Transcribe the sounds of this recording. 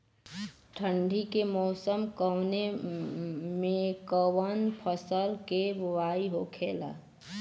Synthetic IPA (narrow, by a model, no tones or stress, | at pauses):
ʈʰə̃ɳɖʱikemɔːsəmkəwne | mẽkɔwənpʰəsəlkebʋaːiɦokʰeːla̰ː